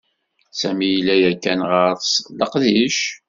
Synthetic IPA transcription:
sæmijlːæjækːænʁəɾˤsləqðiʃ

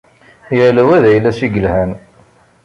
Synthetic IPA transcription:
jələwæðæjlːæsiɡəlhæn

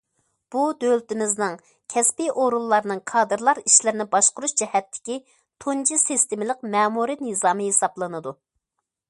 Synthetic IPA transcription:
b̥ud̪ølt̪ɪmɪznɨŋ | kʲʰɛspiʔoɾulˠːɑɾnɨŋqʰɑːd̪ɨɾlˠɑɾiʃlɪɾɪnɪbɑʃqʊɾuʃd͡ʒɛhɛt̪ʰːɪ̥kʲi | t̪ʰunt͡ʃʰisist̪emɪlˠəqmɛːmuɾɨnɨzɑːmɨhesɑblˠɨnɨd̪u

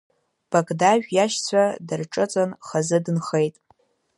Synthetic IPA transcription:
b̥akʼdaʒᶣʷjaʃt͡sʷʰadɨrʈ͡ʂʼɨt͡sʼanχazɨdɨnχejtʼ

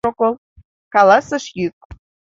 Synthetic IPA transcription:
okolˠ | kɑlɑsəʃjyk̚

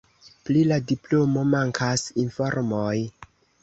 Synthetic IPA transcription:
pliladiplo̞mo̞maŋkʰasinfo̞ɾmoj

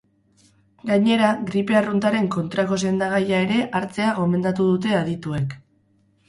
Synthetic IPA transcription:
ɡaɲe̞ɾaɣɾipe̞arunt̪aɾe̞ŋko̞nt̪ɾako̞s̬e̞nd̪aɣ̞ajae̞ɾe̞ʔaɾt͡se̞aɣo̞me̞nd̪at̪uð̞ut̪̬e̞aðit̪ue̞k

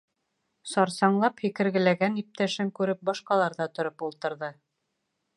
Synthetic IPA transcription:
sɑɾsɑɴlˠɑphikɘ̆ɾɡɘ̆læɡænip̚t̪æʃɘŋkʉɾɘp̚bɑʃqɑlˠɑɾðɑt̪ŏɾɤpulˠt̪ɤ̆ɾðɤ

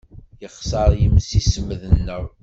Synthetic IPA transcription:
jəχsɑɾˤjəmsisəməðənːəw

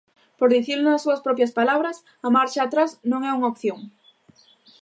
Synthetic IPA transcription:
poɾðiθiɾlʊnasːuɐspɾɔpjɐspalaβɾas | ɐmaɾt͡ʃaːt̪ɾasnõŋɛuŋaopθjoŋ

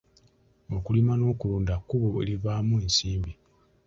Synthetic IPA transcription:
o̞kulimano̞ːkuluːndakːuβoe̞̰liβaːmuensiːmbi

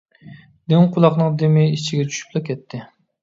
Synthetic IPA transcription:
d̪eqʰʊlˠɑqnɨŋd̪emɪit͡ʃʰiɡʲɛt͡ʃʰy̥ʃy̥plˠɨkʲʰɛt̪ʰːɪ

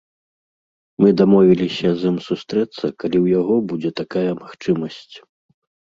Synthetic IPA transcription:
mɨd̪amɔvʲilʲisʲɐzɨmsust̪ɾɛt̪sːɐkalʲiwjaɣɔbud͡zʲɛt̪akajɐmaxt͡ʂɨmɐsʲt͡sʲ

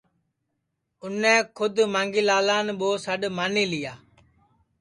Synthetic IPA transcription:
ʊnẽːkʰʊd̪mãːŋɡiːlaːlaːnɓoːsəɗmaːniːlɪjaː

